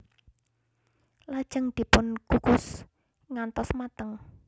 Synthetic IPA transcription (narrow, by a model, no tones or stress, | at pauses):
lad̥ʒ̥əŋd̪̥i̤pʊnkukʊs | ŋant̪ɔsmat̪əŋ